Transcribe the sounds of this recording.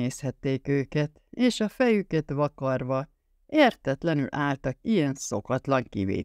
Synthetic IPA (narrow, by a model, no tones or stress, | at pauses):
eːshɛt̪ːeːkøːkɛt̪ | eːʃɒfɛjykɛt̪ʋɒkɒrʋɒ | eːrt̪ɛt̪lɛny̰lʔaːlt̪ɒkijɛnso̞kɒt̪lɒŋkḭvḛː